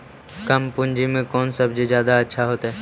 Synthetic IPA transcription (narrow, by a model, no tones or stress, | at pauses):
kɐmpʊɲd͡ʒimẽkɔːnsɐbd͡ʒed͡ʒjaːd̪aɐtːʃʰaɦoːt̪aɦɛː